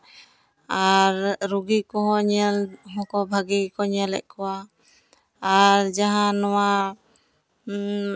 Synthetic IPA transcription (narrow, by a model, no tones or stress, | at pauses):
aɾɾuɡikɔɦɔ̃ɲɛlɦɔ̃kɔbʱaɡikɔɲəlɛ̰ʔ̚kɔwa | aɾd͡ʒaɦãnɔwa